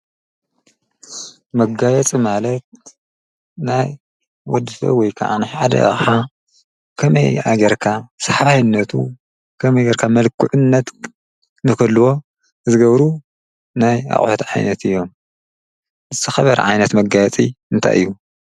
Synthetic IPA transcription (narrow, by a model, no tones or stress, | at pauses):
mɐɡajɛt͡sʼimalɐt̪̚ | naj | wɔd̪ɨfɐ̰wɔjkʰɐ̰ʕa̰nɨħad̪ɐ̰ħa | kʰɐmɐjaɡɐɾkʰasaħβajɨnːɐt̪ʰṵ | kʰɐmɐjɡɐɾkʰamɐlkʰuʕunːɐt̪ | nɨkɐlːɨwo̞ | zɨɡɐβɾu | naja̰χʼħot̪ʕa̰jnɐt̪ʰɨjːo̞m | zɨt̪ʰɐxɐβɐɾ̰ʕa̰jnɐt̪mɐɡajɛt͡sʼiɨnt̪ʰa̰jʔɨ̰jːu